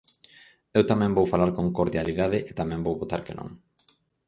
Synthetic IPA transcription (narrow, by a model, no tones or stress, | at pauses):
ewt̪amɛ̃ŋbowfalaɾkõŋkoɾðjaliðaðɪʔet̪amɛ̃mbowβot̪a̰ɾkenõ̰ŋ